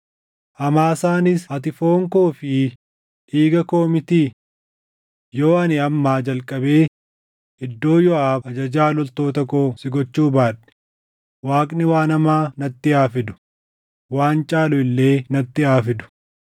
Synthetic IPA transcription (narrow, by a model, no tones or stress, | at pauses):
ʔɐmaːsaːnɪshɐt̪ɪfo̞ːŋkoːfɪ | ʔiːɡɐko̞ːmɪt̪iː | jo̞ːɐnɪɐmːaːd͡ʒɐlkʼːɐbe̞ː | ɪd̪ːo̞ːjɔʔaːfɐd͡ʒɐd͡ʒaːlɔlt̪o̞ːt̪ɐkoːsɪɡɔt͡ʃːuːbaːᶑɛ̥ | waːkʼnɪwaːnɐmaːnɐt̪ːɪaːfɪd̪ʊ̥ | waːnt͡ʃʼaːlʊɪlːe̞ːnɐt̪ːɪaːfɪd̪ʊ̥